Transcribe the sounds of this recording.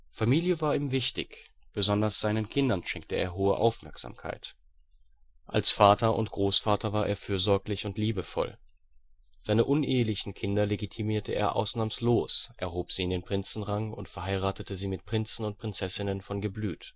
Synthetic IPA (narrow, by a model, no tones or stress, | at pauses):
famiːljəvaːɐiːmvɪçtɪç | b̥əzɔndɐsz̥aɪnənkʰɪndɐnʃɛŋk̚təḛːɐɦoːəʔa̰ʊfmɛɐkz̥a̰ːmkʰa̰ɪt | ʔalsfaːtɐʊ̰ntɡ̥ʁoːsfaːtɐvaːɐʔḛːɐfyːɐzɔɐklɪçʊntliːbəfɔ̰l | z̥aɪnəʔʊnʔeːəlɪçn̩kʰɪndɐleɡitʰimiːɐtʰəʔḛːɐʔa̰ʊsnaːmsloːsʔɛɐɦoːpz̥iːɪndeːnpʁ̥ɪnt͡sn̩ʁaŋʊntfɛɐɦaɪʁaːtətəziːmɪt̚pʁ̥ɪnt͡sn̩ʊnt̚pʁ̥ɪnt͡sɛsɪnənfɔnɡəblyːt